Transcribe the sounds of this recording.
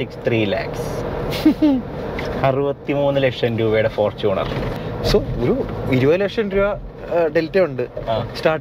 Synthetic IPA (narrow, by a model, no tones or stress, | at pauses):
sikst̪riːla̰ːks | ɐrubɐt̪ːimuːnːɨlekʂɐnɾuːʋejɽefo̞ːrt͡ɕuːɳɐ̰rsooɾuʋiɾuʋɐlekʂɐnɾuʋɐ | ɖeltːeuɳɖɨaːsʈaː